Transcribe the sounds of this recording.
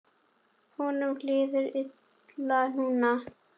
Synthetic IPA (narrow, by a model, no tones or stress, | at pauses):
hɔːnʏmlɪːðʏɾɪt̪ | lan̥uːna